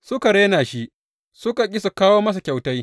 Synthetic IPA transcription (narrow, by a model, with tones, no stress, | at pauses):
sʊ˦ka˨ɽeː˦naː˨ʃi˦ | sʊ˦ka˨kʲʼɪ˦sa˨kaː˦woː˦mɐ˦s̬a˨kʲa˨wta˦j